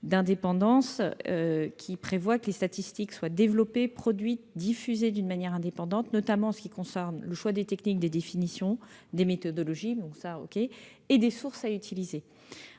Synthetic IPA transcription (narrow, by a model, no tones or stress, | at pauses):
d̪ɛ̃d̪epɑ̃d̪ɑ̃søkʲʰipχevwakəlest̪at̪ist̪ikswad̪evlɔpepχɔd̪ɥit̪̚d̪ifyzed̪ynmanjɛʁɛ̃d̪epɑ̃d̪ɑ̃t̪nɔt̪amɑ̃ɑ̃sə̥kʲikɔ̃sɛʁnləʃwad̪et̪ɛknik̚d̪ed̪efinisjɔ̃d̪emet̪ɔd̪ɔlɔʒibɔ̃sao̰kʲeː | d̪esuʁsayt̪ʰilize